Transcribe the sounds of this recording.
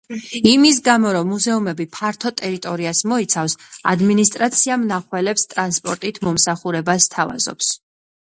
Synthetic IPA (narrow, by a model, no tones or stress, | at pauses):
imis̬ɡamɔɾɔmːuzɛumɛbipʰaɾt̪ʰɔt̪ʼɛɾit̪ʼɔɾiasmɔit̪sʰafsa̰d̪minist̪ʼɾat̪sʰiamnaχwɛlɛpst̪ʼɾanspʼɔɾt̪ʼit̪ʰmɔmsaχuɾɛbast̪ʰava̰zɔ̰ps